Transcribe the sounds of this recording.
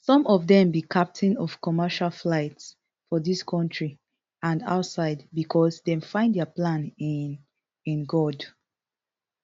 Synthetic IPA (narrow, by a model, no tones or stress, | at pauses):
sɔ̃mɔvðɛ̃mbikʰap̚tʰĩnɔfkɔmɛʃalflaɪts | fɔðiskʰɔ̃ntʰɹi | ãnda̰ʊtsaɪdbikʰɔsdɛ̃mfãɪ̃ndɛəplãn | ĩnɡɔd